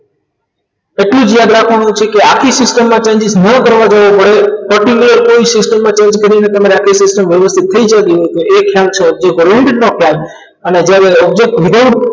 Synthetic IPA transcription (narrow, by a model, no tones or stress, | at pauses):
eʈlũd͡ʒjad̪ɾakʰʋaɳ̃ũt͡ʃʰekeakʰisɪsʈəmːãt͡ʃẽɲd͡ʒisnəkəɾʋad͡ʒəʋopəɽepɔɾʈikuləɾkoisɪsʈəmːãt͡ʃẽɲd͡ʒkəɾinet̪əmaɾeakʰisɪsʈəmʋjəʋəst̪ʰit̪ʰːəid͡ʒat̪iɦojt̪oekʰjalt͡ʃʰeɔb̚d͡ʒek̚ʈɔɾeɳʈeɖnokʰjal | əned͡ʒjaɾeɔb̚d͡ʒek̚ʈʋid̪aʈ